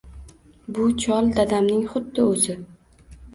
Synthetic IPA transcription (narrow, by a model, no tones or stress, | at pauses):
bʊt͡ʃʰɒlˠd̪ad̪amnɪŋχʊd̪ːɪɵzɪ